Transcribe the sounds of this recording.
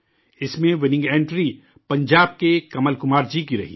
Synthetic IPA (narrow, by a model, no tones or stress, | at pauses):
ɪsmẽʋɪnɪ̃ŋɡẽːɳʈɾi | pɐ̃ɲd͡ʒaːb̚kekɐməlkʊmaːɾd͡ʒikiɾɐ̰ɦḭː